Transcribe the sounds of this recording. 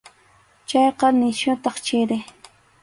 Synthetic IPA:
t͡ʃɑjqɑnɪʃʊt̪ɑχt͡ʃɪɾɪ

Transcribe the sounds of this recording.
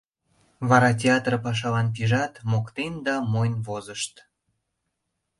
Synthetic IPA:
βɑɾɑt̬ʲeɑt̪rəpɑʃ̬ɑlɑnpiʒɑt̪mokt̪end̪ɑmojnvozəʃt̪

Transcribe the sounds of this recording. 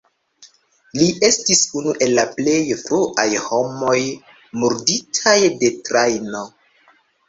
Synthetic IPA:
liʔe̞stisunuʔe̞lːaple̞jfɾuʔajho̞mo̞j | muɾditʰajde̞tɾajno̞

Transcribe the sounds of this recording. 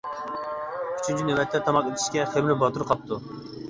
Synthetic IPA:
y̥t͡ʃʰynʲt͡ʃʰynewɛt̪ʰlɛt̪ʰɑmɑq̪et̪ʰi̥ʃkʲɛχemlɪbɑt̪uɾqʰɑp̚t̪ʰu

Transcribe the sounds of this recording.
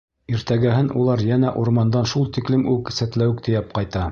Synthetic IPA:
iɾt̪æɡæɦɘnʔulˠɑɾjænæʔuɾmɑnd̪ɑnʃulˠt̪iklɘmʉksæt̪læwɘk̚t̪ʰɘ̆jæpqɑjt̪ɑ

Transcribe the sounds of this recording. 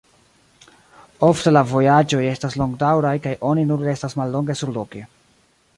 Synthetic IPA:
o̞fte̞lavo̞jad͡ʒo̞je̞staslo̞ŋɡdawɾajkajʔo̞ninuɾːe̞stasmalːo̞ŋɡe̞suɾlo̞ke

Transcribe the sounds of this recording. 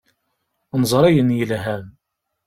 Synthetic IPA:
nzˤɾˤæjənjəlɦæm

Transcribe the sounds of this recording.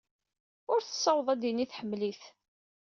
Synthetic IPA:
ʊɾθə̥sˤːɑwðˤæd̪iniθħəmːliθ

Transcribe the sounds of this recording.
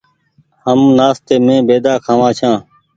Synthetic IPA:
həmnaːst̪eːmẽːbeːd̪aːkʰãːʋãːt͡ʃʰãː

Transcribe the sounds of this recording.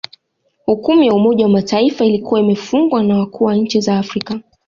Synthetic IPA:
hukumijaumɔʄawamataifailikuwaimɛfuŋɡwanawakʰuːwaɲ̩t͡ʃizaːfɾika

